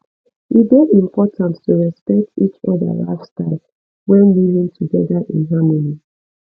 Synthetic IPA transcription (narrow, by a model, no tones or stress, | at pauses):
itbeĩmpʰɔtʰãnttuɹɛspɛk̚tit͡ʃɔðə̰la̰ɪfstaɪl | wɛ̃nlivĩŋtʰuɡɛðaʔḭ̃nɦamoli